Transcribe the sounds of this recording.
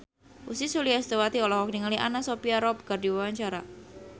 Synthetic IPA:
ʔusisuliast̪ewat̪iɔlɔhɔk̚niŋaliʔanasopiaɾɔp̚kardiwawaɲt͡ʃaɾa

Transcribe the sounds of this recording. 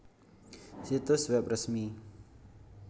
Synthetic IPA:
sit̪usbɛp̚rəsmi

